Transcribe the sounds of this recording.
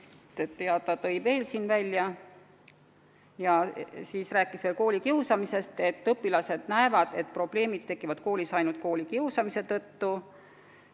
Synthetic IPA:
et̪ːeɑt̪ːˑɑt̪ɤ̞jve̞ːlsiːnvælʲjɑ | jɑsiːsræːkːˑisveːlko̞ːlʲikiusɑmise̞st̪e̞t̪ːɤpːˑilɑse̞d̪̥næevɑd̪̥e̞t̪̚pro̞b̥le̞ːmid̪̥̚t̪ːe̞kːˑivɑd̪̥̚ko̞ːlʲisɑjnult̪̚ko̞ːlʲikiuwsɑmise̞t̪ɤt̪ːu

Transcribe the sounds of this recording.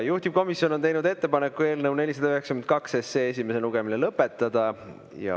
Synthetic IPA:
juht̪ib̥̚ko̞misjo̞not̪e̞jnud̪e̞t̪ːe̞pɑne̞kːˑue̞ːlnewne̞lʲis̬ɑd̪ɑyɦeksɑkymnt̪̚kɑkseseːes̬ime̞se̞luɡ̥e̞milelɤpːˑe̞t̪ˑːɑd̪̥ɑ | jɑ̰

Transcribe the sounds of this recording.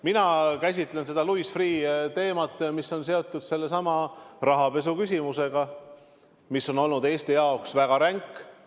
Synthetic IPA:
minɑkæs̬ʲit̪ˑle̞nse̞d̪̥ɑluisfriːt̪e̞ːmɑt̪ːˑmiso̞ns̬e̞o̞t̪ːˑud̪̥se̞lːe̞sɑmɑrɑɦɑpe̞s̬ukysʲimuse̞ɡ̥ɑ | misːo̞no̞lnud̪e̞ːst̪ijɑoksvæɡ̥ɑɾæŋkːˑ

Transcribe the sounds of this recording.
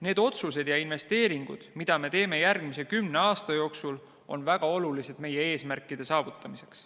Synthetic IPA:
ne̞ːd̪̥o̞t̪suse̞d̪jɑinve̞st̪e̞ːɾiŋɡ̥ṵd̪̥mid̪̥ɑme̞t̪e̞ːme̞jærɡ̥mise̞kymne̞ɑːst̪ɑjo̞ːksul | o̞nvæɡ̥ɑo̞lulise̞d̪̥me̞jee̞ːsmærkːˑid̪̥e̞sɑːvut̪ːˑɑmise̞ks

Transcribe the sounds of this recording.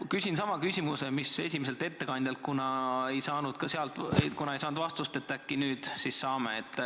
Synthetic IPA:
kysʲinsɑmɑkysʲimuse̞misesʲimese̞lt̪e̞t̪ːe̞kɑnʲd̪̥ʲjɑlt̪̚kunɑe̞jsɑːnud̪̥kɑseɑlt̪ekunɑejsɑːnud̪vɑst̪ust̪et̪ːækːinyːd̪̥sisːɑːmeet̪ːˑ

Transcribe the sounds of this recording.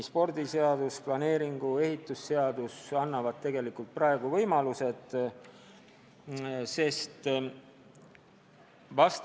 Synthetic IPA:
spo̞rd̪̥ise̞ɑd̪̥usplɑne̞ːɾiŋɡ̥ue̞ɦit̪ːˑusːe̞ɑd̪usɑnːɑvɑd̪̚t̪ːe̞ɡ̥e̞likːˑult̪̚prɑe̞ɡ̥uvɤ̞jmɑluse̞d̪ | se̞st̪ | vɑst̪

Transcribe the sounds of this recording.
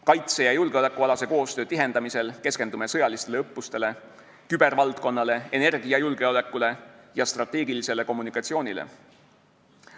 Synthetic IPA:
kɑjt̪se̞jɑjulɡeo̞le̞kːˑuɑlɑse̞ko̞ːst̪ø̞ːt̪iɦe̞nd̪ɑmise̞lke̞ske̞nd̪ume̞sɤjɑlist̪e̞le̞ɤpːˑust̪e̞le̞ | kybe̞ɾvɑlt̪ko̞nːɑle̞ene̞rɡ̥ijɑjulɡ̥e̞o̞le̞kːˑule̞jɑst̪rɑt̪ːˑe̞ːɡilise̞le̞ko̞mːunikːˑɑt̪sio̞ːnʲilḛ

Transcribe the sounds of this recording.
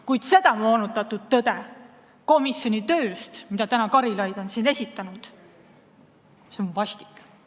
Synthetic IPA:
kujd̪̥se̞d̪ɑmo̞ːnut̪ːˑɑt̪ːˑud̪̥̚t̪ɤd̪̥e̞ | ko̞misjo̞nit̪ø̞ːst̪mid̪̥ɑt̪ænɑkɑɾilɑjd̪̥o̞nsiːne̞sʲit̪ːˑɑnud̪̥ | seonvɑsʲt̪i̥kː

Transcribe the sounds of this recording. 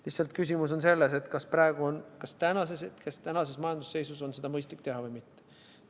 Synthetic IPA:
lihsːˑɑlt̪̚kys̬ʲimus̬o̞nse̞lːe̞se̞t̪ːkɑsprɑeɡ̥uonkɑst̪ænɑseset̪kest̪ænɑse̞smɑjɑnd̪̥u̥sːe̞jsuso̞nse̞d̪ɑmɤjst̪lik̚t̪e̞ɦɑvɤjmit̪ːe̥

